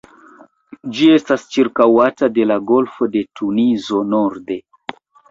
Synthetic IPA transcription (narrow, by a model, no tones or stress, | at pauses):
d͡ʒie̞stast͡ʃiɾkawatade̞laɡo̞lfo̞de̞tunizo̞noɾde̞